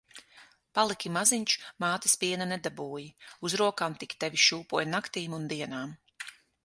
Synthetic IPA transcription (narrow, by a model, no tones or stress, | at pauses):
palˠikʲimaziɲt͡ʃu̥maːt̪i̥spʲiɛnanɛd̪abuːjiuzɾuɔkaːmt̪ikʲt̪ɛvʲiʃuːpuɔjnakt̪iːmund̪iɛnaːm